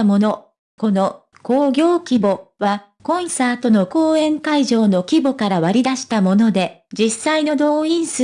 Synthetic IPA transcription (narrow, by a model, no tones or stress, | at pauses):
mo̞no̞ | ko̞no̞ | koːɡʲo̞ːkʲibo̞βa | kõ̞ɰ̃saːt̪o̞no̞ko̞ːẽ̞ŋkaiʑo̞ːno̞kʲibo̞kaɾaβaɾʲid̪aɕi̥t̪amo̞no̞d̪e̞d͡ʑisaino̞d̪o̞ːĩɰ̃s